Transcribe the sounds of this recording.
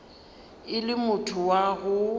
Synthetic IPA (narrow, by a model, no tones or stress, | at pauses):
ɪlɪmʊtʰʊwaɣʊ